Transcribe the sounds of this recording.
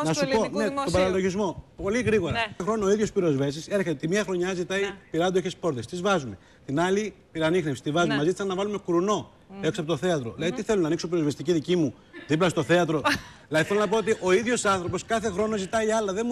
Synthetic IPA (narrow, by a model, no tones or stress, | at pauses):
nɐsuponnet̪obɐɾɐlo̞ʝizmo̞po̞liɣɾiɣo̞ɾɐxɾo̞noːiðʝo̞spiɾo̞zve̞sise̞ɾçet̪et̪imiɐxɾo̞ɲɐzit̪ɐipiɾɐd̪oeçespo̞ɾt̪est̪izvɐzume̞ | t̪inɐli | piɾɐnixnepsi̥t̪ivɐzumemɐzit̪sɐnɐvɐlume̞kuɾuno̞ | e̞ksɐpot̪oθe̞ɐt̪ɾo̞ðilɐðit̪iθe̞lonɐniksopiɾo̞zvest̪iciðicimu | ðiplɐst̪o̞θe̞ɐt̪ɾo̞lɐðiθelonɐpo̞ot̪iʔo̞iðʝo̞sɐnθɾo̞po̞skɐθe̞xɾo̞no̞zit̪ɐiɐlɐðe